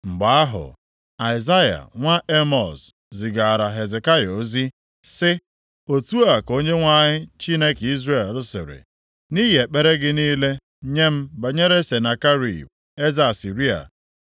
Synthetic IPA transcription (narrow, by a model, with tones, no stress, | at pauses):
ŋ͡m̩˨ɡ͡ba˨a˦ɦʊ̰˨ | a˨ɪ˨za˦ja̰˨ŋʷa˦ʔe˦mɔ˨s | zɪ˨ɡa˨ɾa˨ɦe˨ze˨ka˦jo˨˦zi˦ | sɪ˦ | o˨tu˦a˨ko˦ɲe˦ŋʷa˦ɲɪ˦t͡ʃi˦ne˦ki˦zɾe˦˨lʊ˦sɪ̰˨ɾɪ̰˨ | ni˦ɦe˨k͡pe˦ɾe˦ɡɪ˦niː˦le˦ | ɲe˦m̩˦ba˨ɲe˦ɾe˦se˨na˨ka˦ɾḭ˨b | e˦za˨a˨si˨ɾi˦a̰˨